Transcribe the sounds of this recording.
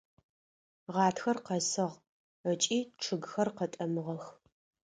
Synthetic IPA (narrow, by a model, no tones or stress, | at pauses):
ʁɑːtxɐrqɐsɨʁ | ət͡ʃʼiːʈ͡ʂʰɨɡxɐrqɐtʼɐmɨʁɐx